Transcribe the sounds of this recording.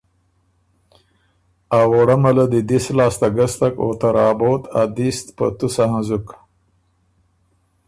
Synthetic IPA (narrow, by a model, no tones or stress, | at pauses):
awoɽamalad̪id̪islɑːst̪aɡast̪ako̰t̪aɾɑːbot̪ʰa̰d̪ist̪pə̰t̪usaɦãzuk